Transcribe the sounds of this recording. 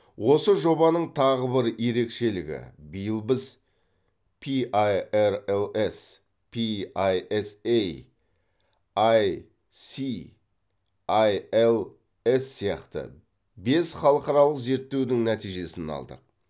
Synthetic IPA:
wo̞səʒo̞bɑnəɴt̪ʰɑʁəbɪɾje̞ɾe̞kʃe̞lɪɡʲɪ̰bijəlˠbɪz | pʰiʔajeɾelˠe̞s | pʰiajesej | aj | si | ajelˠ | esːijɑ̰qt̪ə̰ | be̞sχɑlˠəqɑɾɑlˠəqze̞ɾt̪ːe̞wd̪ɪŋnæt̪ijʒe̞sɪnɑ̰lˠd̪ə̰q̚

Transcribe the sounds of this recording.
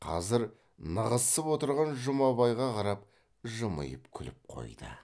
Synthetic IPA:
qʰɑ̰zɪɾ | nəʁəsəpwo̞t̪əɾʁɑnʒʊmɑβɑjʁɑqʰɑɾɑp̚ | ʒəmə̰jəpkʲʰʏlɪp̚qʰo̞̰jd̪ə̰

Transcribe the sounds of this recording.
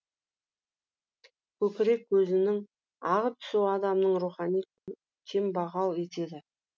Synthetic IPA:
kʲʰɵkʲɪɾe̞kːɵzɪnɪŋ | ɑʁət̪ʰʏ̥suɑd̪ɑmnəɴɾuχɑnij | kʲʰe̞mbɑʁɑlˠe̞t̪e̞d̪ɪ

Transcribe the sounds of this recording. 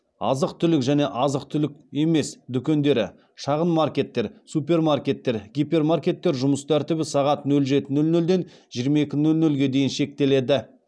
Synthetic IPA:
ɑ̰zəqt̪ʰʏlɪkʒæne̞ʔɑzəqt̪ʰʏlɪkʲe̞me̞sd̪ʏkʲe̞nd̪e̞ɾɪ̰ | ʃɑʁənmarkʲe̞t̪ːe̞ɾsupʲe̞rmarkʲe̞t̪ːe̞ɾɡʲijpʲe̞rmarkʲe̞t̪ːe̞ɾʒʊməst̪ʰæɾt̪ɪbɪsɑʁɑt̪nɵlʒe̞t̪ɪnɵlnɵld̪e̞n | ʒijɾmɑje̞kʲɪnɵlnɵlɡʲe̞d̪e̞jɪnʃe̞k̚t̪e̞le̞d̪ɪ

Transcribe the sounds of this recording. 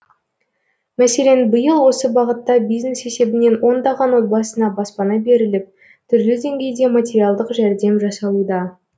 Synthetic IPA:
mæse̞le̞nbəjəlˠwo̞səbɑʁət̪ːɑbijzne̞se̞se̞bɪne̞nwo̞nd̪ɑʁɑnwo̞t̪̚bɑsənɑbɑspɑnɑbe̞ɾɪlɪp̚ | t̪ʰʏɾlɪd̪e̞ŋɡʲe̞jd̪e̞matʲe̞ɾialˠd̪əqʒæɾd̪e̞mʒɑsɑlˠud̪ɑ

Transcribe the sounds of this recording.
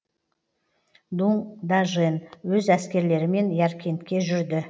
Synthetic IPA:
d̪uŋd̪aʒenwɵzæskʲe̞ɾle̞ɾɪme̞njæɾkʲʰe̞nt̪kʲe̞ʒʏɾd̪ɪ

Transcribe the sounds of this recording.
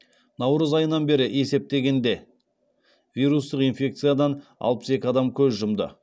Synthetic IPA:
nɑwɾəzɑjənɑnbe̞ɾɪʔe̞se̞p̚t̪eɡʲe̞nd̪e̞ | vʲijɾust̪əqijnfʲe̞k̚t̪sɨjad̪ɑnɑ̰lˠpə̥se̞kʲɪɑd̪ɑmkʲʰɵzʒʊmd̪ə̰

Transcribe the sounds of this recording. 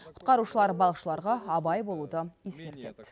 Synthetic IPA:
qʰʊ̥t̪̚qɑɾuʃəlˠɑɾbɑlˠəqʃəlˠɑɾʁɑɑbɑjbo̞lˠud̪əje̞skʲe̞ɾt̪e̞̰t̪

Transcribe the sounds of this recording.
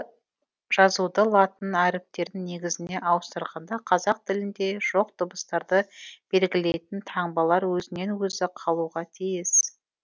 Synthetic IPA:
ʒ̥ɑzud̪əlˠɑt̪ənæɾɪp̚t̪e̞ɾd̪ɪŋne̞ɡʲɪzɪne̞ʔɑwəst̪əɾʁɑnd̪ɑqʰɑzɑq̚t̪ʰɪlɪnd̪e̞ʒ̥o̞q̚t̪ʰʊbəst̪ɑɾd̪əb̥e̞lɡʲɪle̞jt̪ɪnt̪ʰɑɴbɑlˠɑɾwɵzɪne̞nwɵzɪqʰɑlˠuʁɑt̪ʰijɪs

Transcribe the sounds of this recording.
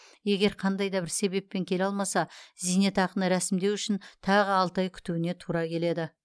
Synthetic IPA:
je̞ɡʲe̞ɾqʰɑnd̪ɑjd̪ɑbɪɾse̞be̞pːe̞ŋkʲʰe̞lɑlˠmɑsɑzijne̞t̪ɑqənəɾæsɪmd̪e̞wʏʃɪnt̪ʰɑʁəɑlˠt̪ɑjkʲʰʏ̥t̪uwɪne̞t̪ʰuɾɑkʲʰe̞le̞d̪ɪ

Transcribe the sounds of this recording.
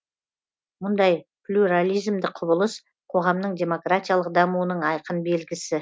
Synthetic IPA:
mʊnd̪ɑjplʲuɾalˠijzmd̪ɪqʰʊbəlˠəs | qʰo̞ʁɑmnəɴd̪ʲe̞mo̞krat̪ʲijalˠəq̚d̪ɑmuənəɴɑjqənbe̞lɡʲɪsɪ

